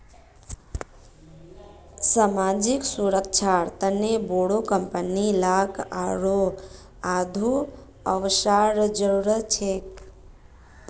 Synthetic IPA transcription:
saːmaːd͡ʒɪksuɾəkʃʰaɾt̪əneboːɽokəmpənilaːkʰaːɾo | aːd̪ʱu | əʋʃaɾd͡ʒəɾuɾət͡ʃʰeːk

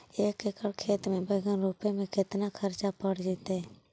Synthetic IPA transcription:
eːkekəɽkʰeːt̪mẽbəɡənɾuːpemẽkɪt̪nakʰəɾt͡ʃapəɽd͡ʒɪt̪e

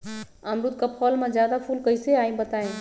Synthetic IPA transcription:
əmɾut̪kapʰɔːlmẽzjaːd̪apʰuːlkəɪseaːĩbət̪aːẽ

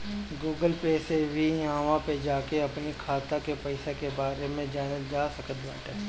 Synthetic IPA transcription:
ɡuːɡəlpeːsebʱijãːʋãped͡ʒaːkeɐpnikʰaːt̪akepɛɪsekebaːɾemẽd͡ʒaːnəd͡ʒaːsɐkət̪bɛːʈɛː

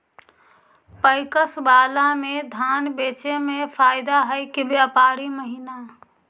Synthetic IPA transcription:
pəɪkəsbaːlamẽd̪ʱaːnbeːt͡ʃemepʰaːɪd̪aɦəkɪbeəpaːɾiməɦina

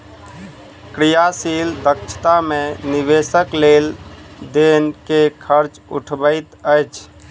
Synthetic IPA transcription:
kɾijasild̪ək̚t͡ʃʰt̪amẽnibesəkleld̪enkekʰəɾt͡ʃṵʈʰbəɪt̪əjt͡ʃʰ

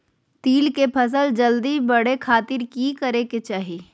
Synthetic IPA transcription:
t̪iːlkepʰɐs̬əld͡ʒəld̪ibɐɽ̤ekʰaːt̪ɪɾkikəɾeket͡ʃaːɦiː

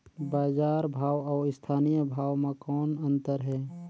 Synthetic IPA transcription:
baːd͡ʒaːɾbʱaːwɔːɾɪst̪ʰaːnijəbʱaːwmẽkɔːnə̃nt̪əɾɦɛː

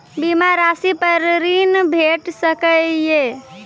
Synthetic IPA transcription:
bimaɾasipəɾɾinbʱeʈsəkəje

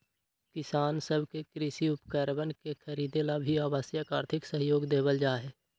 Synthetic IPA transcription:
kɪsaːnsəbʱkekɾɪsiʊpkəɾbənkexʰəɾiːd̪elabʱiaːbaːsjəkaːɾt̪ʰɪksəɦjoːɡd̪eːbəld͡ʒaːɦɛː

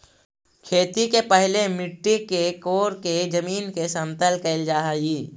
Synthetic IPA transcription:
kʰeːt̪ikepɛɦlemɪʈːikekoːɾked͡ʒɐmiːnkesɐmt̪əlkeɪld͡ʒaːɦjiː

